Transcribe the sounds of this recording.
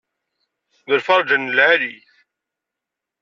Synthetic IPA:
ðəɾfɑɾˤd͡ʒənːəlʕaliθ

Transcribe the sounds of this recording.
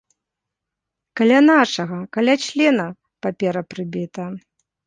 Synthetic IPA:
kalʲanaʂɐɣɐkalʲat͡ʂlʲɛnɐ | papʲɛɾɐpɾɨbʲit̪ɐ

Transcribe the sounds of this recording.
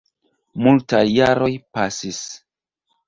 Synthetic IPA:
multajːaɾo̞jpasis

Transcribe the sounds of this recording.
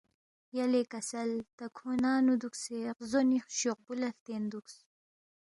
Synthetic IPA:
jɐlekɐsɐlt̪ɐkʰonɑːnud̪ukseːqzonixʃoq̚bulɐft̪eːnd̪uks

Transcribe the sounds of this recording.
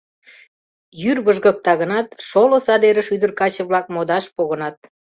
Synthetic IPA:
jyrβəʒɣə̆k̚t̪ɑɣənɑt̪ʃolŏsɑd̪eɾəʃyd̪ərkɑt͡ɕə̆βlɑk̚mod̪ɑʃpoɣənɑt̪̚

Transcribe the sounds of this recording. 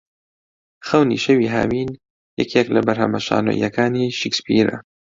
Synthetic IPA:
xɐwnḭːʃɐwiːɦa̰ːmiːn | jɛkʰeklɐbɐɾhɐmɐʃa̰ːno̰ːʔj̰ɐkʰaːniːʃikspiːɾɐ̰

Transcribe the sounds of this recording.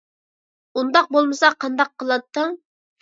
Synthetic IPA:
und̪ɑq̚bolˠmɨsɑqʰɑnd̪ɑqʰːəlˠɑt̪ːɨŋ

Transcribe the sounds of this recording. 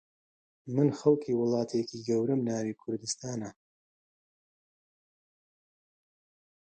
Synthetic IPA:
mɨnxɐlˠkʰiːwʊlˠɑːt̪ʰekʰiːɡɐwɾɨmnaːwiːkʰʊɾd̪ɨst̪aːnɐ

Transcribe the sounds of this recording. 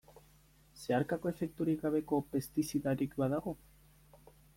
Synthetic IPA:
se̞aɾkako̞e̞fe̞k̚t̪uɾiɡaβe̞ko̞pe̞st̪isiðaɾikbaðaɣo̞

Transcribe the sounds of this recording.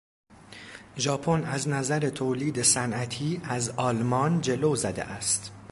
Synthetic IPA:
ʒɒːpʰonæznæzæɾet̪ʰoːliːd̪e̞sænʔæt̪ʰiːæzɒːlmɒːnd͡ʒe̞loːzæd̪ḛʔæst̪

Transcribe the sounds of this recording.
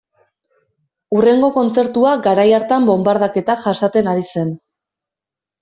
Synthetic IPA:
ure̞ŋɡo̞ko̞nt͡se̞ɾt̪uaɡaɾajaɾt̪ambo̞mbaɾð̞ake̞t̪aʝasat̪e̞naɾise̞n

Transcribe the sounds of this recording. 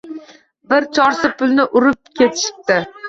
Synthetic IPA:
bɪɾt͡ʃʰɒɾsɪpʊlˠnɪʔʊɾɪp̚kʲʰe̞t̪ʰɪ̥ʃɪ̥p̚t̪ɪ

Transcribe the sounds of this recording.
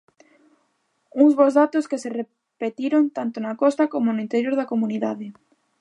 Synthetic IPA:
uŋzβozðat̪oskesere | pet̪iɾont̪ant̪onakɔst̪akomonʊint̪eɾjoɾðakomuniðaðɪ

